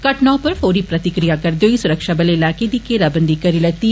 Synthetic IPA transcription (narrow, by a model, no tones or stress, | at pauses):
kɐʈnãːpɐɾfoːɾipɾɐt̪ɪkɾijakɐɾd̪joːisʊɾəkʃabɐlelaːked̪ikːeɾɐbənd̪ikɐɾilɐt̪i